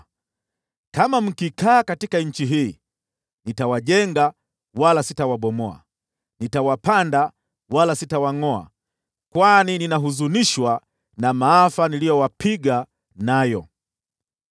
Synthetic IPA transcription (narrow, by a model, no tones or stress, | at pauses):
kamam̩kikaːkatikaɲ̩t͡ʃiɦiː | nitawaʄɛŋɡa | walasitawaɓɔmɔa̰ | nitawapanda | walasitawaŋɔa̰ | kwanininaɦuzuniʃwa | namaafanilijɔwapiɡa | najɔ